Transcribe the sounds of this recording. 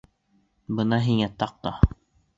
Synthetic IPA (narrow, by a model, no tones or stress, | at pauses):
bɤnɑɦiŋæt̪ɑq̚t̪ɑ